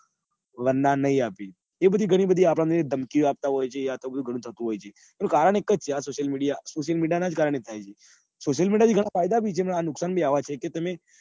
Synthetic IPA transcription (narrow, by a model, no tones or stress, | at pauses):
ʋənnːanəɦĩapi | ebəd̪ʱiɡʱəɽ̃ibəd̪ʱiapɽãməned̪ʱəmkiap̚t̪aɦojt͡ʃʰeːat̪obəd̪uɡʱəɽ̃ũt̪ʰət̪ũɦojt͡ʃʰe | nũkaɾəɳ̃ekəd͡ʒt͡ʃʰeasoʃəlmiɽijasoʃəlmiɖijanad͡ʒkaɾəɳ̃et̪ʰajt͡ʃʰe | soʃəlmiɖjat̪iɡʱəɽ̃afajd̪abʱit͡ʃʰeməɳanʊksanbʱiaʋat͡ʃʰeket̪əme